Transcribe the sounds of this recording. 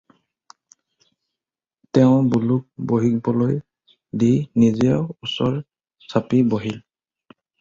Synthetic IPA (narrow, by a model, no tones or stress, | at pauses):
tɛʊ̃buluk̚boɦikbɔloj | dijnizɛɔusɔɹ | sapiboɦil